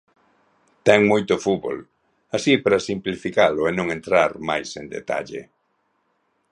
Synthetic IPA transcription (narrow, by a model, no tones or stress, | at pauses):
t̪ɛŋmojt̪ʊfuβo̰l | asipɾasimplifikalʊɛnõŋẽnt̪ɾaɾmajsend̪ḛt̪a̰ʎḛ